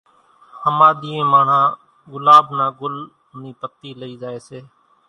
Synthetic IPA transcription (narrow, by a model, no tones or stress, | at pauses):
həmãːɗ̪iːẽːmaːɳ̤ãː | ɡʊlaːbnãːɡʊl | niːpət̪ːiːləiːd͡ʒaːeːseː